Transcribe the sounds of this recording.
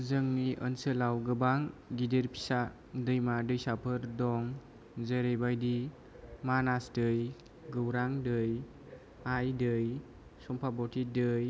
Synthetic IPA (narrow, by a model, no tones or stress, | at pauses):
zəŋniʔə̰nsɯlawɡɯbaŋɡideɾpʰi̥sa | dɯjmadɯjsapʰɯɾdɔŋ | zəɾejbajdi | manasdɯj | ɡɯwɾaŋdɯj | ajdɯj | sɔmpʰabɔtʰidɯj